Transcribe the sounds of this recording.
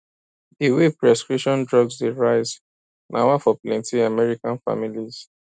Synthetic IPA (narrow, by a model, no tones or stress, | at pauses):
diwepɹɛskɹipʃɔ̃ndɹɔɡzdeɹaɪz | nʔa̰wafɔplɛ̃ntĩamɛɹikãnfa̰miliz̥